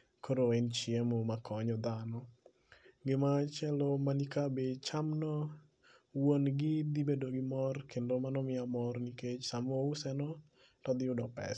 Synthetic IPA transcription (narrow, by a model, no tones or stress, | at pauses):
koɾoɛnt͡ʃɪemomakʰɔɲɔd̪anɔ | ɡɪmat͡ʃɛlɔmanikabet͡ʃamnɔ | wonɡɪd̪ibedoɡɪmɔrkʰendomanɔmɪamɔrniket͡ʃsamoʊsɛnɔ | tɔd̪ɪʊdɔpɛ̰s